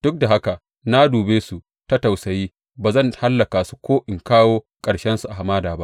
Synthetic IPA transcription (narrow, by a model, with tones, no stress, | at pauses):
d̥ʊ˦k̚da˨ɦa˦ka˨ | na˦duː˨beː˦su˨ | tɐ˦ta˨wsɐ˨jiː˦ | baː˨zɐ˦˨ŋha˦lːɐ˨kaː˨su̥˦kʷoː˦ʔɪ˨ŋkaː˦woː˦ | kʼɐ˨ɽʃɛ˦nsu˨ʔa˨ɦa˨maː˦daː˨ba̰˦